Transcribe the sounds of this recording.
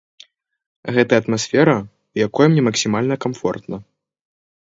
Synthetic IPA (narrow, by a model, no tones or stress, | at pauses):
ɣɛt̪ɐɐt̪masʲfʲɛɾɐ | wjakɔjɐmnʲɛmɐksʲimalʲnɐkamfɔ̰rt̪nɐ